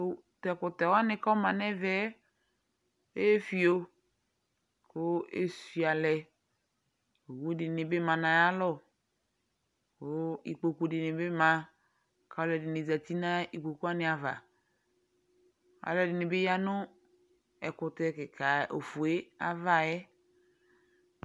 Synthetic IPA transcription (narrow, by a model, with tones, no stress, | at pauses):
tɛ˨kʊ˨t̪ɛ˨wa˦nɪ̃˦ka˦mã˨nɛ˦vɛ˦ | e˦e˦fi˨o˦ | ko˦ḛ˦si˨a˨lɛ˨ | o˨wu˦dɪ˨nɪ˨bɪ˦mã˨nã˨ja˦lɔ˦˨ | ko˦ḭ˨k͡po˨ku˨˦dɪ˨nɪ˨be˦mã˨ | ka˨˦lɛ˨dɪ˨nɪ˨za˨t̪i˦nã˦i˨k͡po˨ku˦a˦nɪ˨a˨va̰˨ | a̰˨lɛ˨dɪ˨nɪ˨bɪ˦ja˦nʊ˦ | ɛ˨kʊ˨t̪ɛ˦kɪ˨ka˨o˨fu˨e˦a˨va˨jɛ˦